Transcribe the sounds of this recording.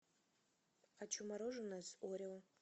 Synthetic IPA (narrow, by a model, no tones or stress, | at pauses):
at͡ʃʰumaɾoʐɨnazoɾʲawa